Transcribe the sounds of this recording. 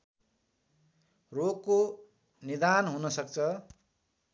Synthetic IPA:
roɡ̚ko | nid̪anɦunʌsʌk̚t͡sʰʌ

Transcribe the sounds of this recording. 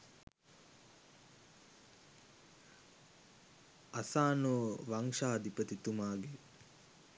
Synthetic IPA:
asaːnoːʋaŋʃaːd̪ipət̪it̪umaːɡe

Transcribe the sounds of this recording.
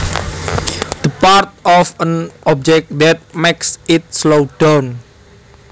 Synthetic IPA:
d̪̥əpaɹt̪̚ɔfə̃nɔp̚d͡ʒɛk̚d̪ɛt̪̚meksɪt̚slodõn

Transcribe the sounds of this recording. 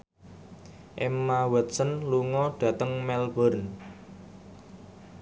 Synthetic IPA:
ʔemːawət̪̚sənluŋɔɖ̥ä̤t̪əŋmɛlbəɾn

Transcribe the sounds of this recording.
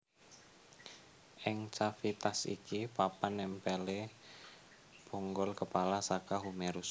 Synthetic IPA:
ʔɪŋt͡ʃafit̪asḭkipapanːɛmpɛle | poŋɡɔlkəpalasakaɦumeɾus

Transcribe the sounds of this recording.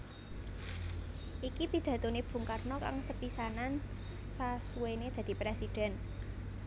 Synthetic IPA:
ʔikipid̪̥ä̤t̪oneb̥ṳŋkarnɔka̰ŋsəpisanan | sasuwened̪̥ä̤d̪̥i̤pɾesid̪̥ɛ̤n

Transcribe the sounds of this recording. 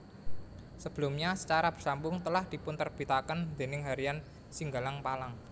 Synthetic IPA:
səb̥ə̤lʊmɲasə̥t͡ʃaɾab̥ərsambʊŋt̪əlahd̪̥i̤pʊnt̪ərb̥i̤t̪akənd̪̥e̤nɪŋɦaɾian | siŋɡalaŋpalaŋ

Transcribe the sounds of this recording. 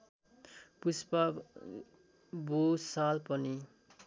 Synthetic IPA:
puspʌ | busalpʌni

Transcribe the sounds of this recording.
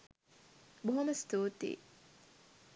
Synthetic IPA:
boɦɐmɐst̪uːt̪ḭː

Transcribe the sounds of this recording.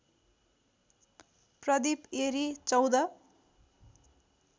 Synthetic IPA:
prʌd̪ipeɾit͡sʌwd̪ʌ

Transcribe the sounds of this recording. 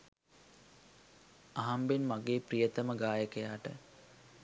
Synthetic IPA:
aɦambenmaɡeːprijət̪əməɡaːjəkəjaːʈə

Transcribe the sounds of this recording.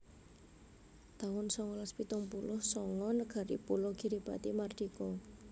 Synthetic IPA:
t̪awʊnsɔŋɔlaspit̪ʊŋpulʊhsɔŋɔnəɡ̥a̤ɾḭpulɔɡ̥i̤ɾib̥a̤t̪imard̪̥ikɔ

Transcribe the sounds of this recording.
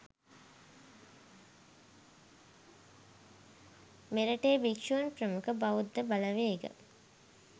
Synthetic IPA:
meɾəʈeːbikʃuɐnpɾəmukəbaʋud̪ːəbaləʋeːɡə̰

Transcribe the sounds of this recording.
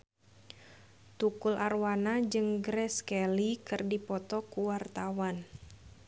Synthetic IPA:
t̪ukulʔarwanad͡ʒɨŋɡɾɛskɛlikɨrdipɔt̪ɔkuwart̪awan

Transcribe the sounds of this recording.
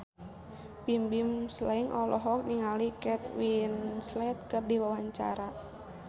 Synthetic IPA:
pimbimslaiŋʔɔ̰lɔɦɔk̚niŋalikɛt̪̚winslɛt̪̚kərdiwawaɲt͡ʃa̰ɾa

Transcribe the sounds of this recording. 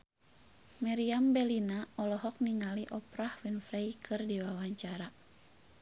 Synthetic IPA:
maɾiambɛlinaɔlɔɦɔk̚niŋaliʔɔpɾahwinfɾejkʰɨrdiwawaɲt͡ʃaɾa

